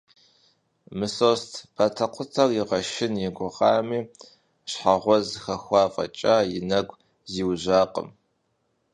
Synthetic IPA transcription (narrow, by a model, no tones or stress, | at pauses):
mɨsoːstʰb̥atʰɐqʷʰʊtʰɐrjɪʁɐʃɪnjɪɡʷʊʁɑːmiː | ɕħaʁʷɔzxɐxʷɑːfʼɐ̰t͡ʃʼajɪnɐɡʷ | ziːwʑaːqʼə̰m